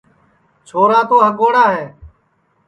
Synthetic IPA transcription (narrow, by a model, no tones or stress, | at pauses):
t͡ʃʰoːɾaːt̪oːɦəɡoːɽaːɦɛː